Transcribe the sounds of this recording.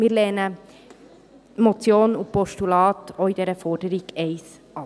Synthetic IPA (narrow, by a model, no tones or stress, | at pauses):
mɪːɾlɛːnə | mot͡sjoːnupɔʃtulɑːtoid̥̪ɛːɾəfɔɾdəɾiɡ̥eɪs | ʔɑ